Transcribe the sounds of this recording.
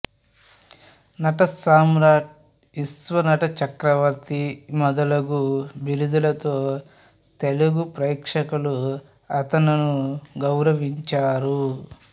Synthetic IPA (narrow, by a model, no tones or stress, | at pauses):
nɐʈɐsaːmɾaːʈ̚ | isʋɐnɐʈɐt͡ʃɐkɾɐʋɐɾt̪imɔd̪ɐlɐɡubiɾud̪ulɐt̪oː | t̪eluɡupɾɐjkʂɐkulu | ɐt̪ɐnɐnuɡɐwɾɐʋiɲt͡ʃaːɾu